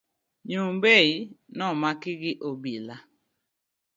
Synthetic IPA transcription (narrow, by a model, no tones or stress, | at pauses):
ɲubeinɔmakɪɡɪʔobila